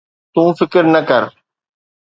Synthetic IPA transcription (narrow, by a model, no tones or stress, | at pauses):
t̪ũːfɪkɾnəkəɾ